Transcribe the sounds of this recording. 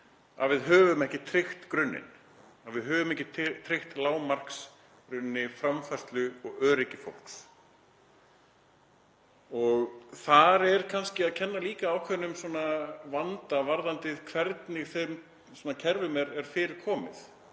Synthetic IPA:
a̰ðvɪðɦœːvʏmɛhcɪt̪ʰɾɪxt̪kɾʏnːɪ̰n | avɪðɦœːvʏmɛhcːɪt̪t̪ʰɾɪxt̪laːwmar̥ks | kɾʏnːɪfɾamfast̪lʏɔɣœːɾɪcɪfo̰wlks | ɔɣθaɾɛɾ̥kʰanscɪaðcʰɛnːaliːkaːwkʰvɛnːʏmswɔnavant̪avaɾðant̪ɪðkʰvɛɾt̪nɪɣθem | sɔnacʰɛɾvʏmɛɾɛɾ̥fɪːɾɪɾ̥kʰɔːmɪ̰θ

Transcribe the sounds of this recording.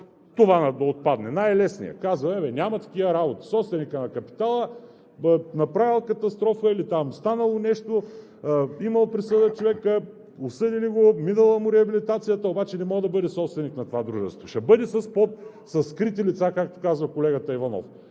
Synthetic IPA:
t̪ovanɐd̪ɐot̪̚pad̪nɛnajlɛsnḭjɐ̰kazvɐɛvɛnʲamɐt̪ɐ̥k̟ivɐɾabot̪i̥sɔpst̪vɛnikənɐkɐpi̥t̪alˠə | nɐpɾavilˠkɐt̪ɐst̪ɾɔfəilit̪amst̪anɐlˠonɛʃt̪o | imɐlˠpɾisɤd̪ət͡ʃovɛkə | osɤd̪iliɡominɐlˠəmʊɾɛɐbilit̪at̪sijət̪ɐobat͡ʃɛnɛmɔɡəd̪ɐbɤd̪ɛsɔpst̪vɛniknɐt̪ovad̪ɾuʒɛ̰st̪voʃɛbɤd̪ɛsɐspɔt̪̚ | sɐskɾit̪ilit̪sakak̚t̪o̥kazvɐkolɛɡət̪ɐivanɔ̰f

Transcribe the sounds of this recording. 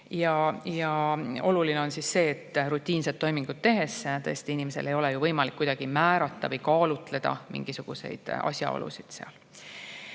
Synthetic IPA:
jɑjɑo̞̰lulineo̞nsisːe̞ːt̪ːɾut̪ʲːˑiːnset̪ːo̞jmiŋɡ̥ud̪̚t̪ːe̞ɦe̞st̪ɤ̰est̪iinime̞se̞lʔe̞jo̞lɛjuvɤjmɑlikːujd̪̥ɑɡ̥imæːɾɑt̪ːɑvɤjkɑːlut̪ˑle̞d̪̥ɑ̰mḭŋɡ̥isuɡ̥use̞̰jd̪̥ɑ̰sʲjɑ̰o̰lṵsid̪̥seɑ̰l

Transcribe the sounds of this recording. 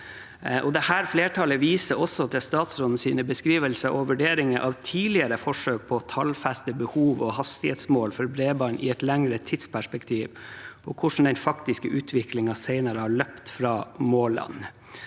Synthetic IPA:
ʔɔd̪ɛhæːɾfleːʈʰɑləʋiːsəɾɔsɔd̪ɛst̪ɑːt̪sɾɔnn̩siːnəbəskɾiːʋəlsəʔɔʋʉɖeːɾɪŋəʔɑʋt̪ʰiːlɪəɾəfɔʂøːk̚pʰɔt̪ʰɑlfæst̪əbəhuːʋɔhɑst̪ɪheːt̪smoːlfɔɾbɾeːbɑɳʔɪ̰ɛt̪læŋɾət̪ʰɪt̪spʰæʂpɛkt̪ʰiːʋʔɔkʰʊʂn̩d̪ɛnfɑkt̪ɪskəʔʉːt̪ʰʋɪklɪŋɑsæɪnəɾəhɑɭœpt̪fɾɑːmoːlɑ̰n

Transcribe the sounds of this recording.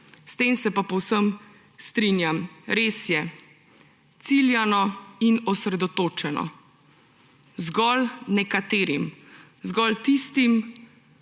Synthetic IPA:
st̪eːmsɛpapɔwsəm | st̪ɾinjamɾeːsjɛ | t̪siljanɔinɔsɾɛd̪ɔt̪oːt͡ʃɛnɔ̰ | zɡɔlnɛkat̪eːɾim | zɡɔlt̪ist̪im

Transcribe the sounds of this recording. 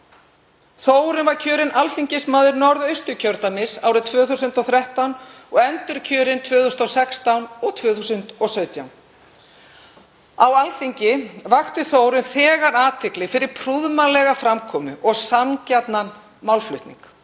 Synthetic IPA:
θoːwɾʏnvaɾcʰœːɾɪnʔalθiɲcɪsmaːðʏɾnɔɾðœɥst̪ʏcʰœɾt̪amɪsa̰ːwɾʏt̪ʰvœːθusʏnt̪ɔθɾɛht̪awnɔɣɛnt̪ʏɾcʰœːɾɪnt̪ʰvœːθusnɔsɛkst̪awnɔɣt̪ʰvœːθusʏnt̪ɔsœɥt̪jawn | awalθiɲcɪvaxt̪ʏθoːwɾʏnθɛːɣaɾaːt̪ʰɪklɪfɪɾɪɾ̥pʰɾuðmalɛɣafɾamkʰɔːmʏʔɔɣsamcɛt̪nan | mawlflʏ̰ɥht̪nḭŋk

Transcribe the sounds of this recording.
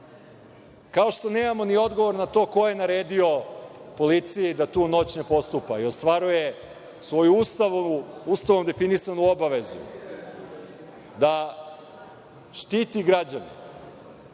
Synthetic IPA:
kao̞ʃt̪o̞ne̞ːmamo̞nio̞d̪ɡo̞ʋo̞ɾnat̪o̞ːko̞je̞naɾe̞ːd̪io̞po̞lit̪sijid̪at̪uːno̞t͡ɕne̞po̞st̪upaio̞st̪ʋaɾuje | sʋo̞juust̪aʋuust̪aʋo̞md̪e̞finisanuobaʋe̞zṵ | d̪a | ʃt̪iːt̪iɡɾad͡ʑanḛ

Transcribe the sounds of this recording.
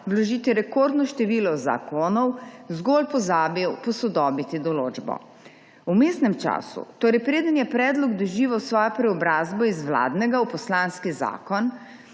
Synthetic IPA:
ʋlɔʒiːt̪iɾɛkoːɾd̪nɔʃt̪ɛʋiːlɔza̰konɔwzɡolpɔzabipɔsɔd̪ɔːbit̪id̪ɔloːd͡ʒbɔ̰ | wmeːst̪nɛmt͡ʃa̰ːsṵt̪oːɾɛjpɾeːd̪ənjɛpɾɛːd̪lɔɡd̪ɔʒiːʋawsʋɔːjapɾɛɔbɾaːzbɔizʋla̰ːd̪nɛɡaupɔslaːnskiza̰ːkɔn

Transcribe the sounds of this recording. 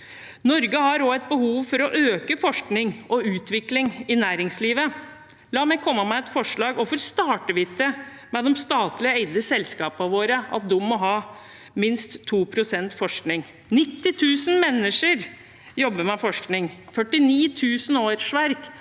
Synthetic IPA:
nɔɾɡəhɑɾoːɛɪt̪̚bəhuːʋfɔɾɔʔøːkəfɔʂknɪŋʔɔʉːt̪ʋɪklɪŋɪnæːɾɪŋsliːʋə | lɑːmɛkʰɔmːəmæɛt̪fɔʂɭɑːɡɔfɔɾst̪ɑːʈəʋɪt̪ːə | mɛd̪ɛmst̪ɑːt̪lɪəeɪd̪əsɛlskɑːpəɑʋoːɾəɑ̰t̪̚d̪umːɔɦɑː | mɪnst̪ʰːuːpʰɾʊsɛnt̪fɔʂknɪŋ | nɪt̪ːɪt̪ʰʉːsən̩mɛnːəʂəɾ | jɔbːəmɛfɔʂknɪŋfœʈːɪniːt̪ʰʉːsənoːɾʂʋæɾk

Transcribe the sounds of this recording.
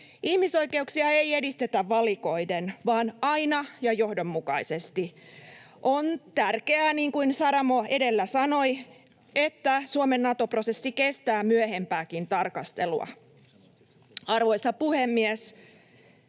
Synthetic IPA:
ihmiso̞ike̞uksiɑeijedist̪et̪æʋːɑliko̞idenʋɑːnɑinɑjɑjohdomːukɑisest̪i | ʔont̪ærkeæːniːŋkuinsɑɾɑmoe̞delːæsɑno̞i | et̪ːæsuomenːɑt̪opro̞sesːike̞st̪æːmyøhe̞mpæːkint̪ɑrkɑst̪e̞̰lṵɑ̰ | ɑrʋo̞isːɑpuhemːies

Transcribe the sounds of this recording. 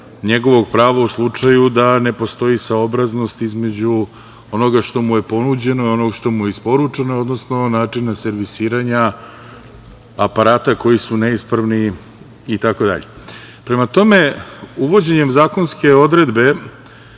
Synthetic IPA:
ɲe̞ɡo̞ʋo̞ɡ̚pɾaːʋauslˠut͡ʂajud̪ane̞po̞st̪o̞jisaobɾazno̞st̪izme̞d͡ʑu | o̞no̞ɡaʂt̪o̞muje̞po̞nud͡ʑe̞no̞io̞noɡʂt̪o̞mujeispo̞ɾut͡ʂeno̞o̞d̪no̞sno̞naːt͡ʂinase̞ɾʋisiːɾaɲa | apaɾaːt̪ako̞jisuneispɾaʋni | it̪ako̞d̪a̰ʎe̞ | pɾemat̪o̞me̞uʋo̞d͡ʑe̞ɲe̞mzaːko̞nske̞o̞d̪ɾe̞d̪be̞

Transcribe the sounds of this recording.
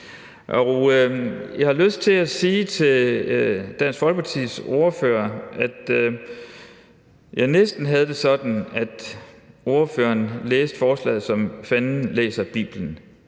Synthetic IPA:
ʔɒu | jɑɪhɑ̈løsd̥̚t͡sʰe̝æsiːt͡sʰe̝ | d̥æn̰sɡ̥fɒ̽lɡ̥pʰɑ̈t͡sʰḭːso̝ɐføːɐʔæd̥ | jɑ̈ɪnesd̥n̩ɦæð̞̩ˠd̥e̝sɒ̽d̥n̩æd̥ | ʔo̝ɐføːɐnleːsd̥fɒːslɛ̰ːð̩ˠsɒ̽mfæn̩lḛːsɐb̥ḭːb̥lən̩

